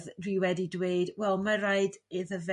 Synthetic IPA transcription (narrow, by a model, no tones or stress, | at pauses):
ðriwɛdidweɨdwɛlˠmaraɨdɪðəvɛ